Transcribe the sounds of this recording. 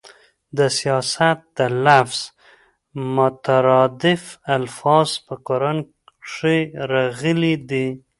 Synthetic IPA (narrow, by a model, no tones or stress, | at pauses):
d̪əsijɑsat̪̚d̪əlafz̥ | mʊt̪aɾɑd̪ɪfalfɑz̥pəkoɾan | ʂeɾaɣəlid̪i